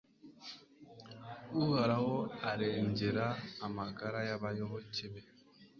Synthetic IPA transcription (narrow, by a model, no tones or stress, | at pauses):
uɣaɾawɔaɾɛnd͡ʒeɾaamaɡaɾajabajɔɣɔt͡ʃebɛ